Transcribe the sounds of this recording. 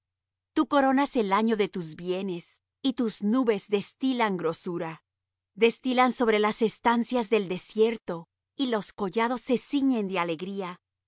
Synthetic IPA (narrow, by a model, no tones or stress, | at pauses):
t̪uko̞ɾo̞nase̞laɲo̞ðe̞t̪uzβje̞ne̞s | it̪uznuβe̞zðe̞st̪ilaŋɡɾo̞suɾa | ðe̞st̪ilanso̞βɾe̞lase̞st̪ansjazðe̞ld̪e̞sje̞ɾt̪o̞ | ilo̞sko̞ʝað̞o̞sːe̞siɲe̞nd̪eale̞ɣɾia